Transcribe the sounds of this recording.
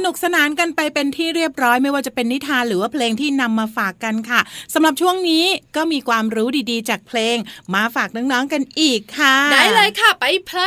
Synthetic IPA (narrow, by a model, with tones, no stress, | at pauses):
sa˧nu˨˩k̚sa˧naː˨˩˦nka˧npa˧jpe˧nt̪ʰiː˥˩ɾi˥˩əp̚ɾɔː˦˥jma˥˩jwaː˥˩t͡ɕa˨˩pe˧nːi˦˥t̪ʰːaː˧nɾɯː˩˦waː˥˩pʰleː˧ŋt̪ʰiː˥˩na˧mːaː˧faː˨˩kːa˧nkʰa˥˩sa˩˦mɾa˨˩p̚t͡ɕʰu˥˩əŋniː˦˥kɔː˥˩miː˧kʰwaː˧mɾuː˦˥diː˧diː˧t͡ɕaː˨˩k̚pʰleː˧ŋmaː˧faː˨˩k̚nɔː˦˥ŋnɔː˦˥ŋka˧nʔiː˨˩kʰːa˥˩daː˨˦jlaː˧jkʰa˥˩pa˧jpʰə˦˥